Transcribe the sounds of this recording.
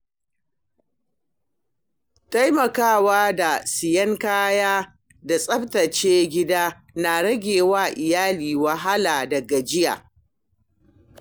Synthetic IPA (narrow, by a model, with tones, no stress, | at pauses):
ta˦jmɐ˨kaː˦˨waː˦da˨sɪ˨jɐ˦ŋkaː˦jaː˦ | da˨sʼɐ˦btɐ˨t͡ʃeː˦ɡʲɪ˦daː˦ | na˨ɽɐ˦ɡʲeː˨waː˦˨ʔɪ˨jaː˦liː˨wɐ˨ɦa˦laː˨dɐ˨ɡa˨d͡ʒɪ˦ja̰ː˨